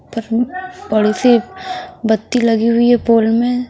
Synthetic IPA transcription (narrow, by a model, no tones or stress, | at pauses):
pɐɾbɐɽise | bɐt̪ːilɐɡiɦʊiɦɛpoːlmẽ